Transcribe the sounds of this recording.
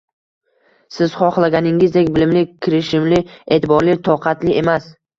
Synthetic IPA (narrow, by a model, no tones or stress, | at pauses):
sɪz̥χɒχlˠaɡʲanɪŋɪzd̪ekʲbɪlɪmlɪkʲʰɪɾɪʃɪmlɪe̞ːt̪ɪbɒɾlɪt̪ʰɒqʰɑt̪lɪʔe̞mas